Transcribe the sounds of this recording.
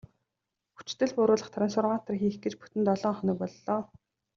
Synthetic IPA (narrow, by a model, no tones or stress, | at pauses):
xu̥t͡ɕt̪ɘ̆ɮpʊɾʊːɮə̆χt̪ʰaɾʲɪ̆nsʊrʁaːt̪ə̆rxiːxɡet͡ɕpu̥t̪ɘ̆nt̪ɔɮɔːŋχœnɪ̆k̚pɔɮːɔː